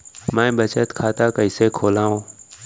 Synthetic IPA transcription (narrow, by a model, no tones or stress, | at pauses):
mãːbət͡ʃət̪kʰaːt̪aːkəɪseːkʰoːlãːõː